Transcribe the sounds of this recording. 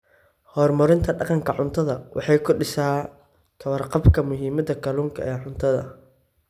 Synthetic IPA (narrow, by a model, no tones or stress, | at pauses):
hɔːrmɐɾɪnt̪ʰɐɖɑqɑŋkʰɐʕʊnt̪ʰɐðɐwʔɑ̰ħɑjkʰʊɖɪsaː | t̪ʰɐwɐrqɑbkʰɐmʊɦiːmɐd̪ɐkʰɐluːŋkʰɐ̰ʔɛːʕʊnt̪ʰɐðɐ̰